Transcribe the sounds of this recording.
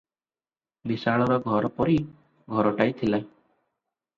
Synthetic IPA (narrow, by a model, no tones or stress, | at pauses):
bisaɭɔɾɔɡʱɔɾɔpɔɾi | ɡʱɔɾɔʈajt̪ʰila